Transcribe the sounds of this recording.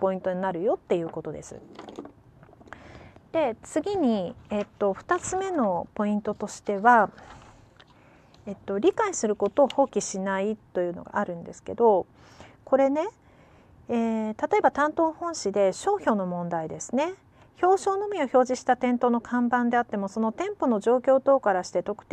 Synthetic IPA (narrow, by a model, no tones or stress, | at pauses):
po̞ĩnt̪o̞ɲ̟inaɾɯ̟jo̞t̪ːe̞jɯ̟ːko̞t̪o̞d̪e̞sɨ̰ | d̪̥e̞t͡sɨɡʲiɲ̟iet̪ːo̞ɸɯ̟̥t̪at͡sɨme̞no̞po̞ĩnt̪o̞t̪o̞ɕi̥t̪e̞βa | et̪ːo̞ɾʲikaisɨɾɯ̟ko̞t̪o̞ːho̞ːkʲiɕinait̪ːo̞jɯ̟ːnoɡa̰ːɾɯ̟̃nd̪e̞sɨ̥ke̞̰d̪o̞ | ko̞ɾe̞ne̞ | eːt̪at̪o̞e̞bat̪ãnt̪o̞ːhõ̞ɕid̪e̞ɕo̞ːço̞ːno̞mõ̞nd̪aid̪e̞sɨne̞ | ço̞ːɕo̞ːno̞mʲio̞ço̞ːʑiɕi̥t̪at̪ẽ̞nt̪o̞ːno̞kʰãmbãnd̪e̞at̪ːe̞mo̞so̞no̞t̪ẽ̞mpo̞no̞ʑo̞ːkʲo̞ːt̪o̞ːkaɾaɕi̥t̪e̞t̪o̞kɯ̟̥t̪e